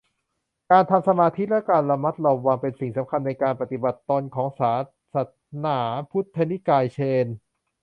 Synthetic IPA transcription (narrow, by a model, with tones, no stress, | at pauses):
kaː˧nt̪ʰa˧msa˧maː˧t̪ʰi˦˥lɛ˦˥kaː˧nla˧ma˦˥t̪̚lɔː˧wːa˧ŋpe˧nsi˨˩ŋsa˩˦mkʰa˧nːa˧jkaː˧npa˨˩t̪i˨˩ba˨˩t̪ːɔː˧nkʰɔː˩˦ŋsaː˩˦ | sa˧˩t̪̚naː˩˦pʰu˦˥t̪ʰːa˧ni˦˥kaː˧jt͡ɕʰeː˧n